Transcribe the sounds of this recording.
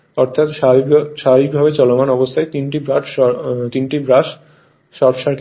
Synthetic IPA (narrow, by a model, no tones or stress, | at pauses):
ɔɾt̪ʰat̪ʃaʃabik̚bʱabet͡ɕɔlomanɔbost̪ʰaet̪inʈibɾaʈɔt̪inʈibɾaʃ | ʃɔɾpʃaɾk